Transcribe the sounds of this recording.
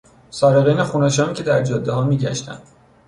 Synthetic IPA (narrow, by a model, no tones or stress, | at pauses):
sɒːɾeɣeːnexuːnæʃ̬ɒːmicʰʲe̞d̪æɾd͡ʒɒːd̪ːeɦɒːmiːɟæʃt̪æ̰nd̪̥